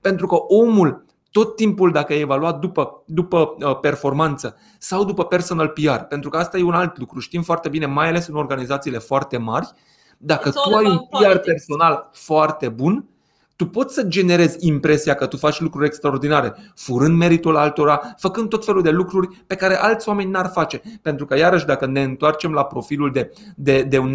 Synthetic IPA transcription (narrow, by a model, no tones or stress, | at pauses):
pe̞nt̪ɾukəʔo̞mul | t̪o̞t̪ːimpuld̪akəajevaluat̪̚d̪upəd̪upəəpe̞rfo̞rmant̪sə | sawd̪upəpe̞rso̞nalpiarpe̞nt̪ɾukəast̪ajeunalt̪lukɾuʃt̪imfoart̪e̞bine̞majale̞sɨno̞rɡanizat̪siːle̞foart̪e̞marʲ | d̪akət̪uajunpiarpe̞rso̞nalfoart̪e̞bun | t̪upo̞t̪sʲsəd͡ʒe̞ne̞ɾe̞zʲimpɾe̞siakət̪ufat͡ʃʲlukɾuɾʲe̞kst̪ɾao̞rd̪inaɾe̞fuɾɨnd̪me̞ɾit̪ulalt̪o̞ɾafəkɨnd̪t̪o̞t̪fe̞luld̪e̞lukɾurʲpe̞kaɾe̞ʔalt̪sʲowame̞nʲnarfat͡ʃe̞pe̞nt̪ɾukəjaɾəʃ̬ʲd̪akəne̞ɨnt̪oart͡ʃe̞mlapɾo̞filuld̪e̞ | d̪e̞d̪e̞un